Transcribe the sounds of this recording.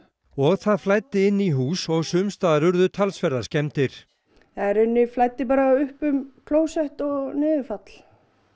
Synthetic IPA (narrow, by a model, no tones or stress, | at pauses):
ɔɣθaðflaːjt̪ːɪɪnːiɦuːsɔɣsʏmst̪aːðaɾʏɾðʏt̪ʰalsfɛɾðḁscɛmt̪ɪɾ̥ | θaɛɾʏnːɪflajt̪ːɪp̬aːɾaʏhpʏmkʰloːwsɛht̪ɔɣnɪːðʏfat̪l̥